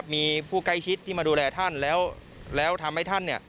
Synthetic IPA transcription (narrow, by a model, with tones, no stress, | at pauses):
p̚miː˧pʰuː˥˩ka˥˩jt͡ɕʰi˦˥t̪ʰːi˥˩maː˧duː˧lɛː˧t̪ʰa˥˩nlɛː˦˥w | lɛː˦˥wt̪ʰa˧mha˥˩jt̪ʰa˥˩nːi˥˩ɐ